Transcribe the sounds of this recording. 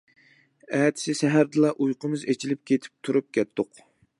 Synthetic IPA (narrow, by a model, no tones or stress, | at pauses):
ɛːt̪ʰɪ̥sɪsɛɦæɾd̪ɨlˠɑʔujqʰəmɨzet͡ʃʰilɪp̚kʲʰet̪ʰɪ̥p̚t̪ʰuɾup̚kʲɛt̪ːʊq